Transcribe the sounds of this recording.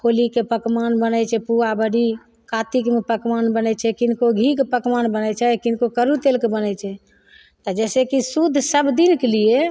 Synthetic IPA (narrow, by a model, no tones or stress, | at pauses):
kʰolikepəkmanbənɛt͡ʃʰɛpuabəɽi | kat̪ikmepəkmanbənɛt͡ʃʰɛkinkoɡʱikpəkmanbənət͡ʃʰɛkinkokəɾut̪elkebənɛt͡ʃʰɛ | t̪ɔd͡ʒɛsekisud̪ʱːsəbʱd̪inkelije